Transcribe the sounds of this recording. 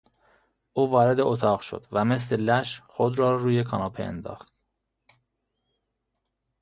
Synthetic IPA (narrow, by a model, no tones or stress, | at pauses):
ʔuːvɒːɾe̞d̪eot̪ʰɒːʁʃo̰d̪̥væme̞s̬le̞læʃxod̪ɾɒːɾuːjekʰɒnɒːpʰeḛnd̪ɒ̰ːxt̪̚